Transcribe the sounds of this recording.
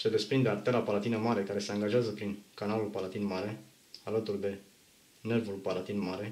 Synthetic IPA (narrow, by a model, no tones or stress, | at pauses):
se̞d̪e̞spɾind̪e̞art̪e̞lapalat̪inəmaɾe̞kaɾe̞se̞aŋɡaʒeazəpɾinkanalulpalat̪inmaɾe̞ | alət̪urd̪e̞ | ne̞rvulpalat̪inmaɾe̞